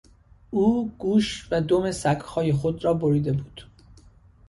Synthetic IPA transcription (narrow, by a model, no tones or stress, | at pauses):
ʔuːɡ̥uːʃvæd̪o̞me̞sæɡhɒːje̞xod̪ɾɒːboɾiːd̪e̞buːd̪̥